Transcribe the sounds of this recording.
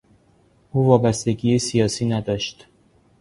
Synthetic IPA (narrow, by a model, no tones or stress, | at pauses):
ʔuːvɒːbæst̪e̞ɡiːjesijɒːsiːnæd̪ɒːʃt̪